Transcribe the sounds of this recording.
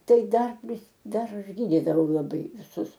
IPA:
ˈtɐɪ ˈdɐr ˈʋʲɪs ˈdɐr ˈɐʃ ˈɡʲiːdʲɪdɐʋɐʊ lˠɐˈbɐɪ ʋʲɪˈsʊs

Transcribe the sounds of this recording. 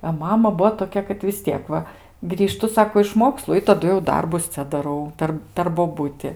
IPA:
ɐ ˈmɑːmɐ ˈbʊʋoː toːˈkʲɛ kɐt ʋʲɪs ˈtʲiɛk ˈʋɐ ɡrʲiːˈʃtʊ ˈsɑːkoː ɪʃ ˈmoːkslˠʊ ɪ tɐˈdʊ jɛʊ ˈdɐrbʊs ˈt͡sʲɛ dɐˈrɐʊ ˈpʲɛr pʲɛr boːˈbʊtʲɪ

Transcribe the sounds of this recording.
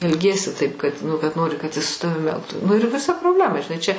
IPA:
ɛlʲˈɡʲiɛsʲɪ tɐɪp kɐt nʊ kɐt ˈnoːrʲɪ kɐt ɪs sʊ ˈtɑːʋʲɪm ˈɛlˠktʊ nʊ ɪr ʋʲɪˈsɐ proːbʲˈlʲæːmɐ ʒʲɪˈnɐɪ t͡ʃʲɛ

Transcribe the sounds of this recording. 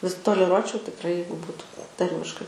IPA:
ʋʲɪs toːlʲɛˈruɔt͡ʃʲɛʊ tʲɪkˈrɐɪ ˈjɛɪɡʊ ˈbuːtʊ ˈtɐrʲmʲɪʃkɐɪ

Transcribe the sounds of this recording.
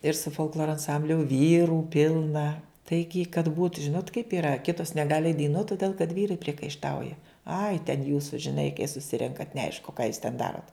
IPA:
ɪr sʊ foːlˠkˈlˠoːroː ɐnˈsɐmʲbʲlʲʊ ˈʋʲiːruː ˈpʲɪlˠnɐ ˈtɐɪɡʲɪ kɐt buːt ˈʒʲɪnoːt kɐɪp iːˈrɐ ˈkʲɪtoːs nʲɛˈɡɑːlʲɪ ɛɪt dɐɪˈnuɔt toːˈdʲeːlˠ kɐt ˈʋʲiːrɐɪ pʲrʲiɛkɐɪʃˈtɐʊjɛ ɐɪ tʲɛn ˈjuːsʊ ʒʲɪˈnɐɪ kɐɪ sʊˈsʲɪrʲɛŋkɐt nʲɛˈɐɪʃkʊ kɑː juːs tʲɛn ˈdɑːroːt

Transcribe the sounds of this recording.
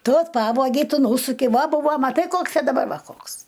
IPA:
ˈtʊ ˈpɑːʋoːɡʲɛɪ ˈtʊ ˈnuːsʊkʲɛɪ ˈʋɐ ˈbuːʋoː mɐˈtɐɪ ˈkoːks ɐ dɐˈbɐr ˈʋɐ ˈkoːks

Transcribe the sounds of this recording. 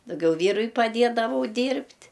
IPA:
dɐʊˈɡʲɛʊ ˈʋʲiːrʊɪ pɐˈdʲeːdɐʋɐʊ ˈdʲiːrʲpʲtʲ

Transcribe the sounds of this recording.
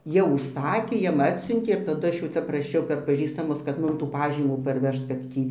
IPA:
jɛʊ ʊʃˈsɑːkʲeː ˈjɛm ˈɑːtʲsʲʊnʲtʲeː ɪr tɐˈdʊ ˈɐʃ jɛʊ ˈt͡sʲɛ prɐˈʃʲɛʊ pʲɛr pɐˈʒʲiːstɐmʊs kɐt ˈmʊm tuː ˈpɑːʒʲiːmuː ˈpɐrʲˈʋʲɛʃt kɐt ˈtʲiː

